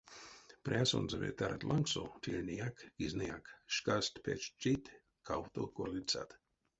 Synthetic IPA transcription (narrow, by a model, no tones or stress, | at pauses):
pɾʲaso̰nzavʲḛt̪aɾa̰t̪lʔaŋksot̪ʰilʲnʲijakɡ̥iznijakʃkast̪pʰet͡ʃt͡ʃit̪ | kʰawt̪o̰korlʲit͡sa̰t̪